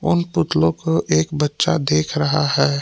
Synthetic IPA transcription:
ʊnpʊt̪lõkoʔeːkbətːʃa̰d̪eːkʰɾɐɦaɦɛː

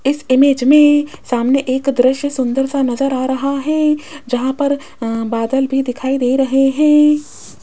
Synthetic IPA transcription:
ɪsɪmeːd͡ʒmẽsaːmneʔeːkd̪ɾɪʃjəsʊ̃nd̪əɾsanɐzəɾaːɾɐɦaɦɛːd͡ʒɐɦãpɐɾ | baːd̪əlbʱid̪ɪkʰaːid̪eːɾɐɦeɦɛ̃ː

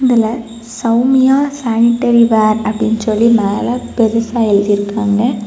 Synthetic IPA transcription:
ɪðɪlɐ | sɐʊmɪjaːsaːnɪʈːɐɾiʋaːɾɐpːɐɽɪnːsɔlːinaːlɐpɛɾɯsaːjɪlðɪɾɯkːaːŋɡɐ

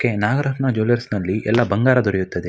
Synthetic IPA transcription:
kːenaːɡɐɾɐɦnɐd͡ʒoːlɐɾsnɐlːiʔɛ̰lːɐbɐŋɡaːɾɐd̪ʱɔɾɛjut̪ːɐd̪e

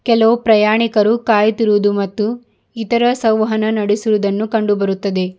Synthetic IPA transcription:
kɛlɐʋupɾɐjaːɳikɐɾukaːjt̪iɾuʋud̪umɐt̪ːu | it̪ɐɾɐsɐwʋɐɦɐnɐnɐɽesuʋud̪ɐnːukɐɳɖubɐɾut̪ːɐd̪e̞

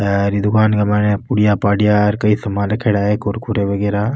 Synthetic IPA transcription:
ɾid̪ukaːnɡɐmanepuɽijaːpaːɽijaːɾkɐisɐmãlɐkʰeɽaːɦekoɾkʰuɾeʋɐɡeːɾaː

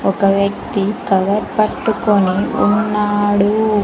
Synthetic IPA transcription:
ɔkɐʋjɐk̚t̪ikɐʋɐɾpɐʈːukoniṵnːaːɽu

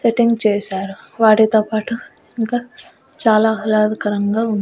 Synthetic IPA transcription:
seʈiŋɡt͡ʃɛːsaːɾuʋaːʈit̪oːpaːʈu | iŋkaː | t͡ʃaːlaːɦɐlaːd̪ɐkɐɾɐŋɡaːund̪i

